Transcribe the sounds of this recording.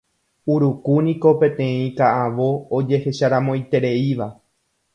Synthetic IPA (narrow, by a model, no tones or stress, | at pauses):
uɾukunĩko̞pẽ̞t̪ẽ̞ĩkaʔaʋo̞ːd͡ʒe̞he̞ʃaɾãmõ̞jt̪e̞ɾe̞iʋa